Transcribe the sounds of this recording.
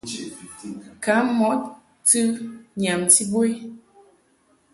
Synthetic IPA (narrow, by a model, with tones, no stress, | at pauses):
ka˨˦mɔ˨˦t̚ | tɨ˦ɲa˨mti˦bo˦j